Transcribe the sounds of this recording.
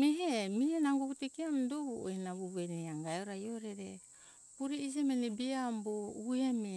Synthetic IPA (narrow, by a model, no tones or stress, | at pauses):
meɦemienaŋɡuɡutikiamdoɡuo̰jnaβuβeneaŋɡajoɾajoɾeɾe | puɾiis̬emenebiamboueme